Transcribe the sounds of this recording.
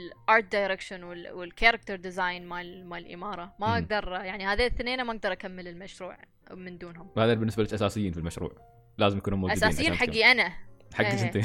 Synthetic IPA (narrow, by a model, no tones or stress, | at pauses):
lʔɑːɾˤt̪̚d̪ajɾekʃanwɪlwɪlkaɾˤɑk̚t̪ɑɾˤd̪ɪzaːjnmamaʕɪlʔɪ̰mɑːɾˤɑmaʔaɡ̚d̪ɑɾˤjaʕnihaːðiθneːnamaʔaɡ̚d̪ɑɾˤʔakamːɪlɪlmaʃɾṵːʕ | mɪnd̪uːnhʊmwaːðabɪnːɪsbalɪːkʔasaːsɪjːiːnfilmaʃɾṵːʕ | laːzmjakuːnumud͡ʒʔaudsaːsjiːħaɡːiʔanaħaɡːiɪnt̪i